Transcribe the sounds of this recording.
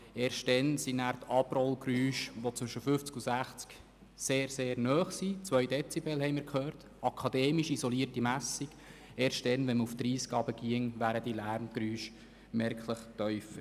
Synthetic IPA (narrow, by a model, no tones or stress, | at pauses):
eːɾʃt̚dɛnsinæːɾt̪ʰɑbrɔlɡɾyːʃʋot͡sʋʏʃəfʏft͡skusæχt͡sk | seːɾseːɾnœːχsit͡sʋœʏdɛt͡sibɛlhɛɪjməɾkʰχøːɾt | ɑkʰɑd̥̪eːmiʃisɔliːtimæsiɡ̥ | eːɾʃtd̥ɛnʋɛnməuft̪ɾiːsɡ̥ɑːbəɡiəŋʋæːɾəd̥ilæːɾmɡ̥ɾyːʃ | mɛɾkʰləχtœʏfə